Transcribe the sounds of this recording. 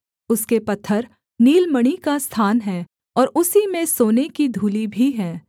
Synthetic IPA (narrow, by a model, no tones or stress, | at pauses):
ʊskepɐt̪ʰːəɾ | niːlməɽ̃ikast̪ʰaːnɦɛː | ɔːɾʊsimẽsoːnekid̪ʱuːlibʱiɦɛ̃ː